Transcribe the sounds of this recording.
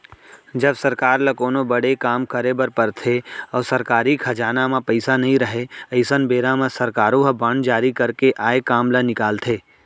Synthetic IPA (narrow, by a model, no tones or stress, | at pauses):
d͡ʒɐbsɐɾkaːɾlɐkoːnobɐɽekaːmkəɾebɐɾpɐɾt̪ʰeɔːsɐɾkaːɾikʰɐd͡ʒaːnamãpəɪsanɐɦĩɾɐɦeəɪsənbeːɾamə̃sɐɾkaːɾõɦɐbəɳd͡ʒaːɾikɐɾkeʔaːekaːmlɐnɪkaːlt̪ʰeː